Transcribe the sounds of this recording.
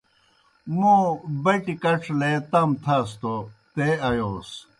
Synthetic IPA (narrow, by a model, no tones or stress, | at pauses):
mõbɐʈikɐʈ͡ʂʰlet̪ɐmt̪ʰas̬t̪ot̪eɐjoːs